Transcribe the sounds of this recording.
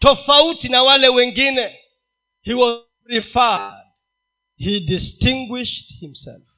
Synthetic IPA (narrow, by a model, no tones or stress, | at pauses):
tɔfautinawalɛwɛŋɡinɛ | hiwɔ | ɹifajd̥̚ | hidistĩŋɡwiʃthimsɛ̰lf